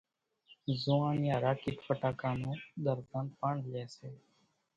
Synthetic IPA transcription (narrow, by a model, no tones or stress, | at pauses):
zuːãːnɪjaːɾaːkiʈfəʈaːkãːnũːd̪əɾtəːnpaɳlɛːseː